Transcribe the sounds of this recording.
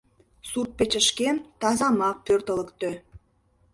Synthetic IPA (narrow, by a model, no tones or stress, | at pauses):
surt̪̚pet͡ɕə̆ʃkemt̪ɑzɑmɑk̚pørt̪ə̆lə̆kt̪ø